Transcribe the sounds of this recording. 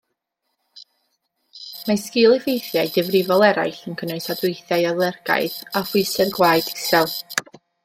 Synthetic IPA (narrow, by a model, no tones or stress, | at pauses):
maskɪlˠivejθjajdɪvrɪvɔlˠɛɾa̰jɬənkʰəneɨsadɪɨθjajalˠɛrɡ̥a̰ɨðafʊɨsɛðɡwaːɨdisɛlˠ